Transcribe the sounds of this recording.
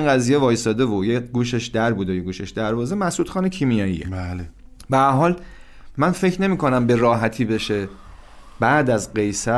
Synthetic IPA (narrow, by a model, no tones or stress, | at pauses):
inɡæzijevɒːjsɒːd̪evojeɡuːʃeʃd̪æɾbuːd̪ejeɡuːʃe̞ʃd̪æɾvɒːze̞mæsuːd̪xɒːnecʰiːmijɒːjḭele | beæɾɦɒːl | mænfe̞cʰne̞miːkʰo̞næmbe̞ɾɒːɦæt̪ʰiːbe̞ʃe̞ | bæʔd̪æzɢe̞jsæ